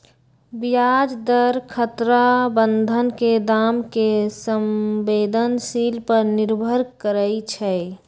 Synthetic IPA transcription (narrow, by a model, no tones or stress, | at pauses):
bijad͡ʒd̪əɾkʰət̪ɾabənd̪ʱənked̪amkesəmbeːd̪ʱənsilpəɾnɪɾbʱəɾkəɾəit͡ʃʰɛ